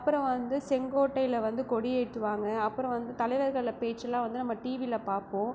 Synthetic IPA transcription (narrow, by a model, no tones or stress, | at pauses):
ɐpːɯɾɔ̃ʋɐnd̪ɯsɛŋɡoːʈːɐɪɪlɐʋɐnd̪ɯkɔɽɪjeːʈːɯʋaːŋɡɐɐpːɯɾɔ̃ʋɐnd̪ɯt̪ɐlɐɪʋɐɾɣɐɭɪlɐpeːt͡ʃːɐlãːʋɐnd̪ɯnɐmːɐʈiːʋilɐpaːɾpõː